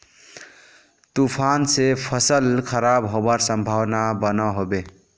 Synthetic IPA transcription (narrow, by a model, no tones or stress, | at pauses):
t̪upʰansepʰəsəlkʰəɾabɦobaɾsəmbʱawnabənəɦobe